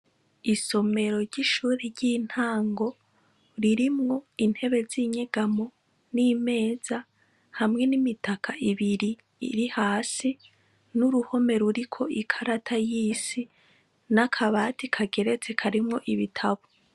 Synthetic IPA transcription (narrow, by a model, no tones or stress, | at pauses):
iso̞me̞ɾo̞ɾɟiʃuːɾeɾɟin̥haːŋɡo̞ | ɾiɾimŋo̞in̥he̞βe̞ziɲeɡ̥amo | niːme̞ːz̥a | hamŋe̞nimitʰakʰaiβiɾḭː | ɾihaːsi | nuɾuho̞me̞ɾuɾikʰo̞ikʰaɾatʰajiːsi | nakʰaβaːtʰikʰaɡe̞ɾe̞t͡se̞kʰaɾimŋo̞ʔiβitʰaβo